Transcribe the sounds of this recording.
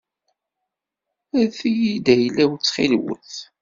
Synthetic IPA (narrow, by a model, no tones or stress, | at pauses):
æθijid̪æjəlːæwt͡sːχilwə̰θ